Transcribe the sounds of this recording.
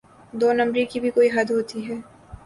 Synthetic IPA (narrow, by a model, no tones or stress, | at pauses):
d̪oːnɐ̃mbɾikibʱikoːiɦɐd̪ɦoːt̪iɦɛː